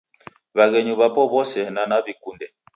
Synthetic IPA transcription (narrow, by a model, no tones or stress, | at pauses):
βaɣɛɲuβapɔβɔsɛnanaβikundɛ